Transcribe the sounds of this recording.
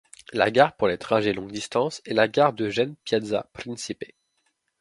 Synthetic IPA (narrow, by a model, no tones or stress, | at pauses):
la̰ɡaʁpuʁlet̪χaʒelɔ̃ɡd̪ist̪ɑ̃sɛlaɡaʁd̪əʒɛnpjad̪za̰pχɛ̃sipe